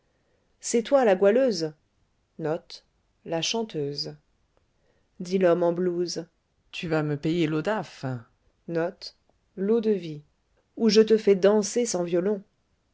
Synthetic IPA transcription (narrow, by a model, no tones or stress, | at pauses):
sɛt̪walaɡwaløːz | nɔt̪ | laʃɑ̃t̪øːz | d̪ilɔmɑ̃bluz | t̪ʰyvaməpejelod̪af | nɔt̪ | lod̪əvi | uʒət̪əfɛd̪ɑ̃sesɑ̃vjɔlɔ̃